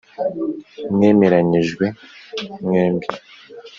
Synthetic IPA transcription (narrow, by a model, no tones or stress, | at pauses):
mŋe̞ːme̞ɾaɲiʒɡwe̞mŋeːmbi